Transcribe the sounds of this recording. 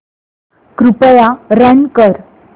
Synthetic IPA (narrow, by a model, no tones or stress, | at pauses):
kɾupəjaɾənkəɾ